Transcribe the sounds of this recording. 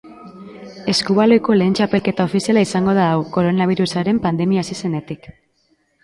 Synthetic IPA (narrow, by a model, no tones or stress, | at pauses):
e̞skuβalo̞jko̞le̞ːnt͡ʃape̞lke̞t̪ao̞fisialaisaŋɡo̞ð̞aːwko̞ɾo̞naβ̞iɾusaɾe̞mpand̪e̞miaːsise̞ne̞t̪ik